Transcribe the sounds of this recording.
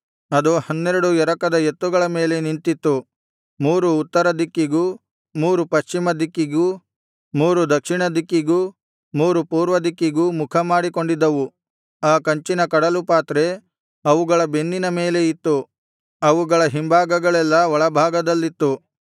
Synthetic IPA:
ɐd̪uhɐnːeɾɐɽuɛɾɐkɐd̪ɐet̪ːuɡɐɭɐme̞ːle̞nint̪it̪ːu | muːɾuːt̪ːɐɾɐd̪ikːiɡuː | muːɾupɐʃt͡ʃimɐd̪ikːiɡuː | muːɾud̪ɐkʂiɳɐd̪ikːiɡuː | muːɾupuːɾʋɐd̪ikːiɡuːmukʰɐmaːɽiko̞ɳɖid̪ːɐʋu | aːkɐɲt͡ʃinɐkɐɽɐlupaːt̪ɾe | ɐʋuɡɐɭɐbe̞nːinɐme̞ːle̞it̪ːu | ɐʋuɡɐɭɐɦimbʱaːɡɐɡɐɭɛlːɐʋɔɭɐbʱaːɡɐd̪ɐlːit̪ːu

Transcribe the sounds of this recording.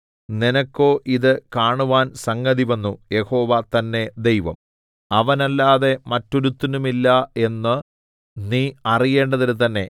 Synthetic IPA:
ninɐkːo̞ːʔiðɨkaːɳuʋaːnsɐŋɡɐðiʋɐnːuje̞ho̞ːʋɐt̪ɐnːe̞d̪e̞jʋɐ̰m | ɐʋɐnɐlːaːðe̞mɐtːoɾut̪ːinumilːɐe̞nːɨ | niːɐrije̞ːɳɖɐðinɨt̪ɐnːe̞

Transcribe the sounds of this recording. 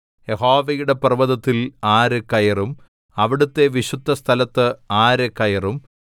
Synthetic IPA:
je̞ɦo̞ːʋɐjuɽe̞prɨʋɐðɐt̪ːilaːɾekːɐjɐrum | ɐʋiɽut̪ːe̞ʋiɕud̪ʱːɐst̪ʰɐlɐt̪ːɨaːɾekːɐjɐrum

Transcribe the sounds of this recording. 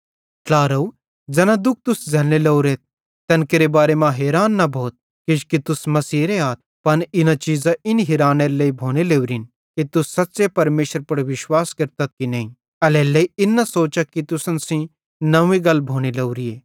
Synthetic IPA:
ʈlaːɾɐu | d͡ʒɐnãd̪ʊk̚ʰt̪ʊsd͡ʒʱɐnelɐuɾeːt̪̚ː | ɐ̃nkeɾebaːɾemãɦeːɾaːnːɐbʱoːt̪̚ | kɪʃkit̪ʊsmɐsiːɾeaːt̪̚pɐnɪnat͡ʃiːzaʔɪnɦeːɾaːneɾeleibʱoːɽ̃eleːuɾin | kit̪ʊsːɐt̪ːsepɐɾmeːʃəɾpɐɽʋɪʃwaːskɐɾt̪ɐt̪̚kinɐɦĩ | ɐleːlɐiɪnːasoːt͡ʃakit̪ʊsənsĩ | nɐʋĩɡɐlbʱoːɽ̃elɐuɾieː

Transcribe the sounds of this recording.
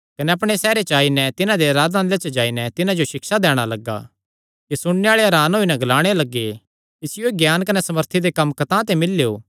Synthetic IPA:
kɐnɛɐp̬ɽ̃esɛːɾet͡ʃaːinɛt̪ɪnãd̪eɐɾaːd̪ãnd̪let͡ʃɐd͡ʒaːinɛt̪ɪnãd͡ʒoʃɪkʃad̪ɛːɽ̃alɐɡa̰ | kisʊɽ̃neaːɭeɐɾaːnɦoːinɛɡɐlaːɽ̃elɐɡːe | ɪsɪjoeɡjaːnkɐnɛsɐməɾt̪ʰid̪ekɐ̃mːkɐt̪ãt̪̬emɪlːejo̰ː

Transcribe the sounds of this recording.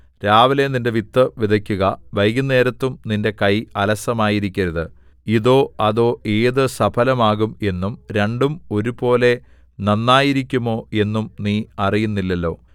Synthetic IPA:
ɾaːʋileninde̞ʋit̪ːɐʋid̪ʱɐkʲːuɣɐʋɐjɣine̞ːɾɐt̪ːumninde̞kɐjɐlɐsɐmaːjiɾikʲːɐɾɐðɨ | iðo̞ːɐðo̞ːʔe̞ːðɨsɐbʰʱɐlɐmaːɣume̞nːumɾe̞ɳɖumo̞ɾubo̞ːle̞ | nɐnːaːjiɾikʲːumo̞ːe̞nːumniːɐrijunːilːɐlːo̞ː

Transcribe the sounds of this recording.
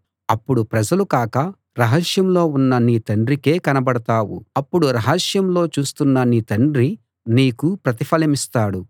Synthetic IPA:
ɐpːuɽupɾɐd͡ʒɐlukaːkɐ | ɾɐɦɐʂjɐmlo̞ːunːɐniːt̪ɐɳɖɾike̞ːkɐnɐbɐɽɐt̪aːwṵɐpːuɽuɾɐɦɐʂjɐmlo̞ːt͡ʃuːst̪unːɐniːt̪ɐɳɖɾi | niːkupɾɐt̪ipʰɐlɐmist̪aːɽu

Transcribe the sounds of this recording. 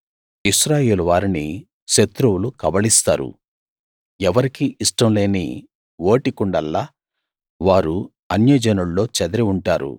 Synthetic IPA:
iʃɾaːje̞ːluʋaːɾini | ʃet̪ɾuwulukɐbɐɭist̪a̰ːɾṵ | ɛʋɐɾikiʔiʂʈɐmle̞ːnḭ | wo̞ːʈikuɳɖɐlːaː | ʋaːɾu | ɐnjɐːd͡ʒɐnuɭːo̞ːt͡ʃɐd̪ɐɾiuɳʈaːɾṵ

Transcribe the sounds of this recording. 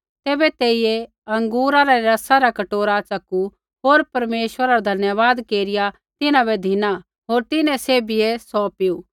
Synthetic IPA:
t̪ɛːbɛt̪eːɪjɛ | ɐ̃ŋɡuːɾaɾɛɾɐsaɾakɐʈoːɾat͡ʃɐku | ɦoːɾpɐɾmeːʃʋəɾaɾad̪ʱɐnjəʋaːd̪keːɾɪja | t̪ɪnãbɛd̪ʱɪna | ɦoːɾt̪ɪnɛ̃seːbijɛsɔpɪjuː

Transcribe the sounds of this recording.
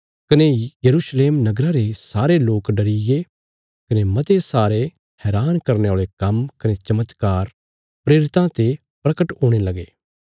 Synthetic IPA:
kɐnejɐɾusleːmnɐɡɾaɾesaːɾeloːkɖɐɾɪje | kɐnemɐt̪esaːɾe | hɛːɾaːnkɐɾneaːɭekɐmkɐnet͡ʃɐmət̪kaːɾ | pɾeːɾɪt̪ãt̪e | pɾɐkəʈɦõːɽ̃elɐɡeː

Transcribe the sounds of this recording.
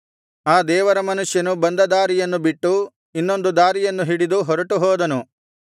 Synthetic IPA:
aːd̪ɛːʋɐɾɐmɐnuʂjɐnubɐnd̪ɐd̪aːɾijɐnːubiʈːu | inːo̞nd̪ud̪aːɾijɐnːuɦiɽid̪uɦɔɾɐʈuɦɔːd̪ɐnu

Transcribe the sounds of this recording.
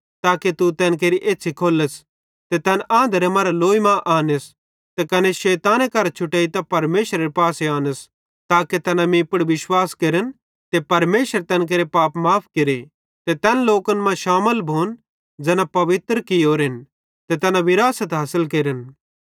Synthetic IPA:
t̪aːket̪ut̪ɛːnk̬eːɾiʔeːtːt͡ʃʰikʰoːləs | t̪et̪ɛnʔãːnd̪ʱəɾemɐːɾaloːimãʔaːnəs | t̪ekɐneʃɛːt̪aːnekɐɾt͡ʃʰʊʈeːit̪apɐɾmeːʃɾɐɾepaːseaːnəs | t̪aːket̪ɛːnamĩpəɽʋɪʃwaːskeːɾən | t̪epɐɾmeːʃəɾt̪ɛːnk̬eːɾepaːpmaːpʰkeɾe | t̪et̪ɛnloːkənmɐ̃ʃaːməlbʱoːn | d͡ʒɛːnapɐʋɪt̪ɾkɪoːɾɦɪn | t̪et̪ɛnaʋɪɾaːsət̪ɦaːsəlkeːɾən

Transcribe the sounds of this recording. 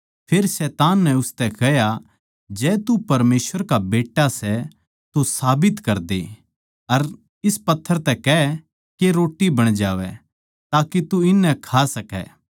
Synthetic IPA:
pʰeːɾsɛːt̪aːnːɛ̃ʊst̪ɛkɐɦja | d͡ʒɛːt̪upɐɾmeːsʋəɾkabeːʈːasɛ | t̪osaːbɪt̪kɐɾd̪ḛ | ɐɾ | ɪspɐt̪ʰːəɾt̪ɛkɛɛ | keɾoːʈibɐɽ̃d͡ʒaːʋɛ | t̪aːkit̪uɪnːɛkʰasɐkɛ̰ː

